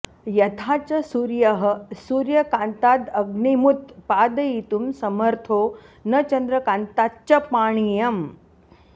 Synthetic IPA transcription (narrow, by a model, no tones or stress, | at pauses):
jɐt̪ʰat͡ɕɐsuːɾjɐɦəsuːɾjɐkant̪ad̪ɐɡɳimut̪paːd̪ɐjit̪umsɐməɾt̪ʰoːnɐt͡ɕɐnd̪ɾɐkant̪att͡ʃɐpaːɳ̃ijɐm